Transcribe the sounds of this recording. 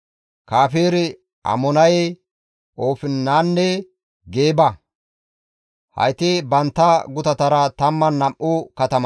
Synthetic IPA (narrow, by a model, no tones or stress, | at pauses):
kaːfeːɾɪ | ʔɐ̰mɔnɐjɛ | ʔoːfɪnːaːnːɛ | ɡeːbɐ | hɐ̰jt̪ɪbɐnt̪ːɐɡʊt̪ɐt̪ɐɾɐt̪ɐmːɐnːɐmʔʊkɐt̪ɐmɐ